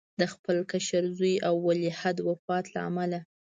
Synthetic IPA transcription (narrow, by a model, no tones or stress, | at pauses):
d̪əxpəlkaʃaɾzujawːalehad̪wəfɑt̪la̰a̰mala